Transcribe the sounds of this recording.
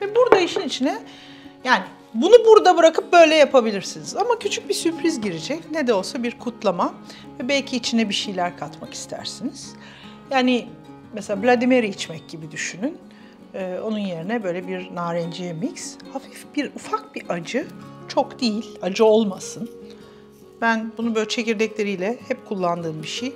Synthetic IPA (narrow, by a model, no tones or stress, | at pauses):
vɛbuɾd̪aiʃinit͡ʃʰinɛ | jaːnɪ | bunubuɾd̪abɯɾakʰɯp̚bø̞jlʲɛjapʰabilʲiɾsinizamacʰyt͡ʃʰyc̚bisyɾpɾizɟiɾid͡ʒɛcnɛd̪ɛo̞lˠsabiɾkʰut̪ʰlˠama | vɛbɛlʲcʰiːt͡ʃʰinɛbiʃejlʲæɾkʰat̪maki̥st̪ʰæ̰ɾsiniz̥ | jaːnɪ | mɛselʲaːblʲad̪imeɾiit͡ʃmɛc̚ɟibid̪yʃynyn | ɯːo̞nunje̞ɾinɛbø̞jlʲɛbiɾnaːɾɛnd͡ʒijɛmicshafifbiɾufak̚biʔad͡ʒɯt͡ʃʰo̞kd̪ijilʲad͡ʒɯo̞lˠmasɯn | bænbunubøt͡ʃʰe̞ciɾd̪ɛclʲe̞ɾijlʲɛhɛpkʰulˠːand̪ɯːmbiʃej